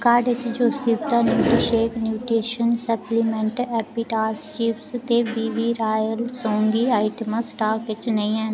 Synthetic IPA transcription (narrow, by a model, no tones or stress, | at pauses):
kaːɖɪt͡ʃd͡ʒoːsibt̪aːnjuːʈiʃeːknjuːʈɾiːʃənsəpliːmɛ̃ɳʈɛːpiːʈaːst͡ʃiːpst̪eːbiːbiːɾaːjəlsõːŋɡiːaːɪʈəməsʈaːkʋɪt͡ʃnəĩːɛ̃ːn